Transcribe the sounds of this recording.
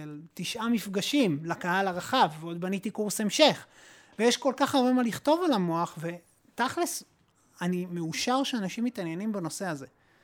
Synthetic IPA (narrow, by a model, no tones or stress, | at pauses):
elt̪iʃʔamifɡaʃimlakahalaʁaχavveo̞d̪̚banit̪ikuʁse̞mʃeχ | vejeʃko̞lkaχaʁbe̞maːliχt̪o̞valamo̞aχve̞ | t̪aχles | animeuʃaʁʃeanaʃimːit̪anje̞nimbano̞se̞aze̞